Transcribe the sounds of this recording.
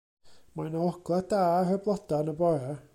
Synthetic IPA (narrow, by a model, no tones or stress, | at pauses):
manɔɔɡlˠadaːrəblˠɔdanəbɔjɛ